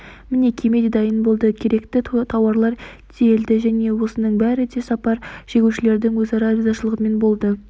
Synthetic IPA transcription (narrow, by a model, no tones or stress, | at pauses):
mɪne̞kʲʰe̞me̞d̪ed̪ɑjənbo̞lˠd̪əkʲʰe̞ɾe̞kt̪ɪt̪ʰɑwɑɾlˠɑɾsʰejeld̪ɪʒæne̞wo̞sənəɴbæɾɪd̪e̞sɑpɑɾʒ̥eɡʲewʃɪle̞ɾd̪ɪŋwɵzɑɾɑɾozɑʃəlˠəʁəme̞nbo̞lˠd̪ə